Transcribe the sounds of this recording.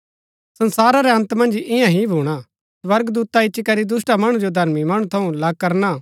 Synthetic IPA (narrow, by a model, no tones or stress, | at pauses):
sɐ̃nsaːɾaɾɛɐ̃nt̪mɐ̃nd͡ʒɪjãɦibʱuːɽ̃a | swɐɾɡd̪uːt̪aɪtːʃikɐɾid̪ʊsʈamɐɽ̃d͡ʒod̪ʱɐɾmimɐɽ̃ũt̪ʰɐũlakɐɾna